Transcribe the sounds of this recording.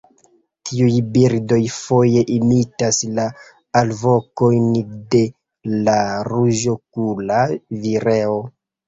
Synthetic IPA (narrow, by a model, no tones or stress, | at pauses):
tʰiujbiɾdo̞jfo̞je̞ʔimitasla | alvo̞ko̞jnde̞ | laɾuʒo̞kulaviɾe̞o